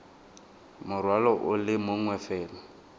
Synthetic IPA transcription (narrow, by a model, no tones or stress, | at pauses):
mʊrwalɔʔʊlɪmʊŋwɛfɛːlɔ